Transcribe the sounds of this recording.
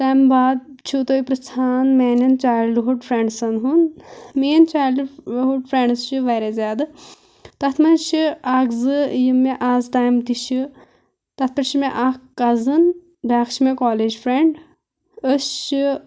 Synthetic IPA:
t̪aːmbaːd̪̚t͡ʃʰut̪oːipɾɐst̪ʰaːnmeːnɐnt͡ʃaːjlɖɦuɖpʰɾeɳɖsɐnɦunmeːnt͡ʃaːjlɖɦuɖpʰɾẽɳɖzt͡ʃʰiʋɐːɾezʲaːd̪ɨ | t̪ɐt̪ʰmɐnt͡ʃʰiaːɡzɨjimːeʔaːzt̪aːjmt̪iʃʰi | t̪ɐt̪̚ʰpɐɾt͡ʃʰimẽʔaːkɐzɨn | bʱaːkt͡ʃʰimẽkɔːleːd͡ʒpʰɾeɳɖ | əst͡ʃi

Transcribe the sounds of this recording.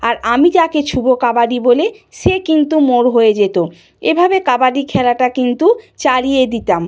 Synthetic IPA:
aɾamit̪aket͡ɕʰubokabaɖiboleʃekint̪umoɾɦoed͡ʑet̪o | ebʱabekabaɖikʰɛlaʈakint̪ut͡ɕaɾijed̪it̪am

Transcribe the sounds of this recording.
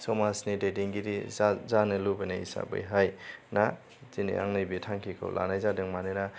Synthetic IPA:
sɔmasnidediŋɡidizanɯlubenaisa̰bɯ̰jɦajna | zinḭa̰ŋnɯjbitʰaŋkʰikʰa̰wlʔa̰najzadɯŋmanɯna

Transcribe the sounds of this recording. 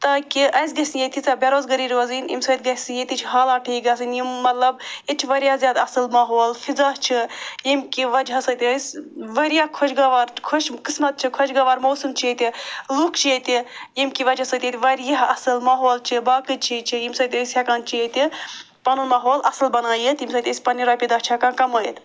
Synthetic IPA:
t̪aːkiʔɐjs̬ɡɐsʲijet̪ʰit͡sabʲɐɾoːzɡɐɾiːɾoːzinḭmsɐːt̪ʲɡɐsijet̪it͡ʃʰiɦaːlaːʈʰiːɡɐsɨnjimːɐt̪lɐbjit͡ʃʰiʋɐɾʲjaːzjaːd̪ɐsɨlmɐɦoːlfizaːɦt͡ʃʰijimkiʋɐd͡ʒɦɐsɐt̪ʲiɐjsʋɐɾjakʰɔʃɡɐʋaːɾkʰoʃkismɐt̪̚t͡ʃʰikʰɔʃɡɐʋaːɾmɐwsɨmt͡ʃʰiet̪ilukʰt͡ʃʰijet̪ʲijimkiʋɐd͡ʒɦɐsɐt̪ʲet̪ʲʋɐɾjaɦɐsɨlmɐɦoːlt͡ʃʰibaːkɨt͡ʃʰit͡ʃʰijimsɐːt̪ʲɐsʲjɐkaːnt͡ʃʰijet̪i | pɐnulmɐɦoːlʔɐsɨlbɐnaːjit̪imsɐːt̪ʲɐsʲpɐniɾaːpʲid̪aːɦt͡ʃʰɐkãːnkɐməːjit̪

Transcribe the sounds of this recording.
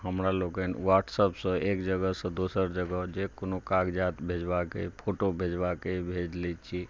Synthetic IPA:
ɦəmɾaloɡənʋaʈsəpsə̃eːkd͡ʒəɡəsə̃d̪usəɾd͡ʒəɡəd͡ʒekonokaɡd͡ʒat̪bʱed͡ʒbakepʰoʈobʱed͡ʒbakebʱed͡ʒlet͡ʃʰi

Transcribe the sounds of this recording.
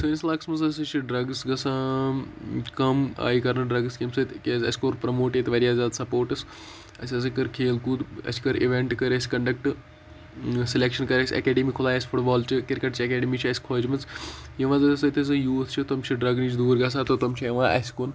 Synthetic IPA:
sɨːnʲislaːksmɐzɐs̬ʲɐt͡ʃʰiɖɾɐɡsɡɐsã | kɐma̰ːjikɐɾnɨɖɾɐɡskimsɐt̪ʲkʲːzɐ̰sʲkoːɾpɾɐmoːʈet̪ʋɐɾijaːzʲaːd̪sɐpoːɾʈɐs | ɐ̰sʲɐs̬ɨkɐɾkʰeːlkuːd̪ɐ̰si̥kɐɾiʋeɳʈkɐɾɐsʲi̥kɐɳɖɐkʈɨ | silekʃɐnkɐɾɐsʲiɐ̰kɛːɖimikʰʊlaːjɐsʲfʰuʈbɔːlt͡ʃikiɾkɐʈt͡ʃʰiɐkeːɖimiːt͡ʃʰiɐsʲi̥kʰoːd͡ʒmɐz | jiʋãzɐsɐt̪ʲɐs̬ɨjuːt̪ʰt͡ʃʰit̪ɐmt͡ʃʰiɖɾɐɡniːt͡ʃʰd̪uːɾɡɐs̬aːt̪ot̪ɐmt͡ʃʰijɐʋãːʔɐ̰sʲi̥kun

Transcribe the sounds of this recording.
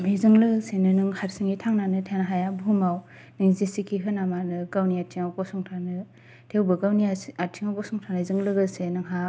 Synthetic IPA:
mizɯŋlɯsenɯnɯŋhaɾsɯŋitʰaŋnanɯtʰenaɦajabɦumaw | nɯŋzesikʰiɦɯnamanɯɡawniatʰiŋawkɔsuŋtʰanɯ | tʰewbɯɡawniaatʰiŋawkɔsɔŋtʰanɯzɯŋlɯɡɯsenɯŋɦa

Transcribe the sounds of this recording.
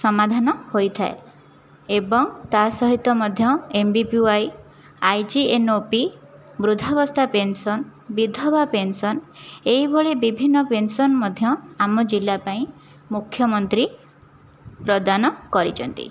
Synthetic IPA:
sɔmad̪ʱanɔhojt̪ʰae | ebɔŋt̪asɔɦit̪ːɔmɔd̪ʱjɔembipjuaj | ajd͡ʒienopi | bɾud̪ʱɔbɔst̪ʰapensɔnbid̪ʱɔbapensɔneɦibʱɔɭebibʱinːɔpensɔnmɔd̪ʱjɔamɔd͡ʒilːapaĩ | mukʰːjɔmɔnt̪ɾi | pɾɔd̪anɔkɔɾit͡ʃʰɔnt̪ḭ

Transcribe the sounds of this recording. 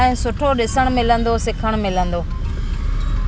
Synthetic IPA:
ɦɪ̃sʊʈʰoɗɪsəɽ̃mɪlə̃nd̪osɪkʰəɽ̃mɪlə̃nd̪oː

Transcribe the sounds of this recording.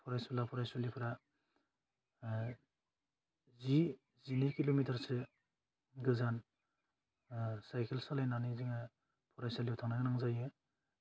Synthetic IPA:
pʰɔɾajsɔlapʰɔɾajsɔlipʰɯɾa | zi | zinikilomitʰaɾsɯ | ɡɯzan | sajkʰelsalajnaniziŋa | pʰɔɾajsaliɔwtʰaŋnaɡɯnaŋzajɯ

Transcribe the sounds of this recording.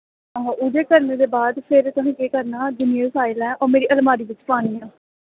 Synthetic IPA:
ɦʔʊd͡ʒ̪eːkəɾneːd̪eːbaːd̪pʰɪɾt̪ʊɦẽːkeːkəɾnaːd̪ʊnɪeːsaːɪlɛːʔɔːmeːɾiːʔəlmaːɾiːʋɪt͡ʃpaːɽ̃iːãː

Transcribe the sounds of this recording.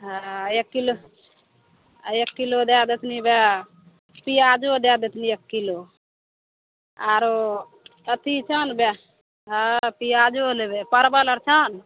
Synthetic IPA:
ɦaekːilo | ekːilod̪jad̪et̪ʰnibja | pijad͡ʒod̪jad̪et̪ʰniekːilo | aːɾo | ət̪ʰit͡ʃʰənba | ɦapiad͡ʒolebepəɾbələɾt͡ʃʰən

